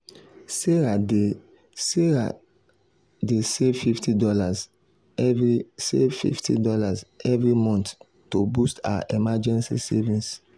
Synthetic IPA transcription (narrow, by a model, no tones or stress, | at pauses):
seɹae | seɹa̰ | desevfiftʰidɔlaz | ɛvɹisḛvfḭftḭdɔlazɛvɹimɔ̃nt | tobusta̰a̰ʔemad͡ʒɛ̃nsḭsɛvĩns